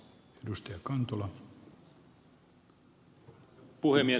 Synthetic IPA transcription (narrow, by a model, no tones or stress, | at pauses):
edust̪ɑjɑkɑnt̪olɑ | puhemːie